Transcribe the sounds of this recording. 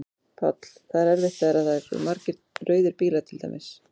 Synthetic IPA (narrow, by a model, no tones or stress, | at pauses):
pʰa̰t̪l̥θaðɪɾɛɾvɪht̪ːaðɾaðθaɾ̰maɾcɪɾ̥t̪rœːɥðɪɾpiːlat̪ʰɪlt̪a̰jmɪs